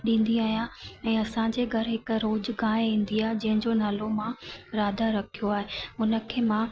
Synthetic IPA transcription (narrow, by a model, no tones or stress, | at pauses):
ɗĩːn̆d̪iaːɦjãɛ̃ːɐsãd͡ʑeɡʱɐɾɪɦɪkɾoːd͡ʑɡãːɦĩːn̆d̪iaːɦd͡ʑɐ̃ɦɪ̃ɲd͡ʑonaːlomãɾaːd̪ʱaɾɐkʰijoaːɦeʊnə̆kʰeːmã